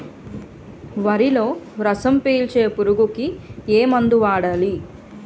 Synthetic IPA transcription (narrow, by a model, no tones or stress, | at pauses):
ʋɐɾilo̞ːɾɐsɐmpeːlt͡ʃeːpuɾuɡukieːmɐnd̪uʋaːɽɐli